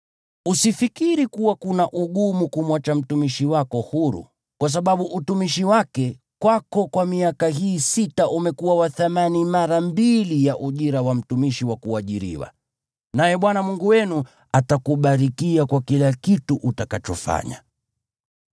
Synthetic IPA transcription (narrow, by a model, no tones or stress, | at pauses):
usifikiɾikuwakunaʔuɠumukumwat͡ʃam̩tumiʃiwakɔhuɾṵ | kwas̬aɓaɓuʔutumiʃiwakɛ | kwakɔkwamiakaɦiːsitaʔumɛkuwawaθamanimaɾambilijaʔuʄiɾawam̩tumiʃiwakuaʄiɾḭwa̰ | najɛɓwanamuŋɡuwɛnu | atakuɓaɾikiakwakilakituʔutakat͡ʃɔfa̰ɲa̰